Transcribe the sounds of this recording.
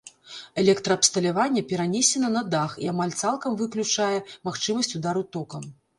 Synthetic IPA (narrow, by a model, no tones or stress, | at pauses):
ɛlʲɛkt̪ɾɐːpst̪ɐlʲavanʲːɐpʲɛɾanʲesʲɛnɐnɐd̪axiamalʲt̪salˠkɐmvɨklʲut͡ʂajɛmaxt͡ʂɨmɐsʲt͡sʲud̪aɾut̪ɔkɐm